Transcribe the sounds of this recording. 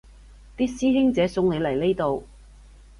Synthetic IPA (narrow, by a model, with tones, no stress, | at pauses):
t̪iː˥siː˥ɦɪ˥ŋt͡sɛː˨˥sʊ˧ŋne˨˧jlɐ˨˩jle˥jt̪o˨˧w